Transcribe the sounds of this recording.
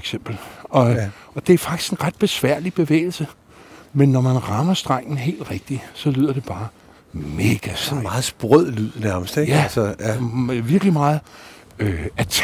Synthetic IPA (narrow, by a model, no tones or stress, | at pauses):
ɡ̥sem̰b̥l̩ɒ̽ | ɒ̽d̥e̝æɐfɑ̈ɡ̥d̥i̥sɡ̥e̝nʁɑd̥̚b̥e̝sʋæɐ̰lib̥e̝ʋḛːɪl̩sə | menːɒmænʁɑ̈mɐsd̥ʁɑ̈ŋ̰n̩ɦe̝̰ːld̥ʁɛɡ̥̚d̥isɒ̽lyð̞̰ˠɐd̥e̝b̥ɑ̈ː | me̝ːɡ̥æsɒnmɑ̈ːð̩ˠsb̥ʁœð̰ˠlyð̰ˠnæɐməsd̥eɡ̥ælsəjʋiɐɡ̥limɑ̈ːð̩ˠ | øæt͡sʰ